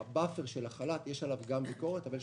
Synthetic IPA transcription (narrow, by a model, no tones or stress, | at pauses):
bafeʁʃe̞laχalat̪jeʃalavɡambiko̞ʁet̪aval